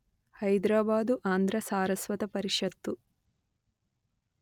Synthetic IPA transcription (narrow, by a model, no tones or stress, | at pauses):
hɐjd̪ɾaːbaːd̪uʔaːnd̪ʱɾɐsaːɾɐsʋɐt̪ɐpɐɾiʂɐt̪ːu